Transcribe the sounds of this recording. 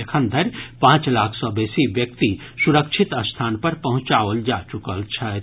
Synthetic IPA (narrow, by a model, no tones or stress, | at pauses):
ekʰə̃nd̪ʱəɾpãːt͡ʃlaːkʰsɔbeːsiʋjək̚t̪i | suɾəkʃʰɪt̪əst̪ʰaːnpɐɾpɐɦʊ̃t͡ʃaːʋəld͡ʒat͡ʃukəlt͡ʃʰə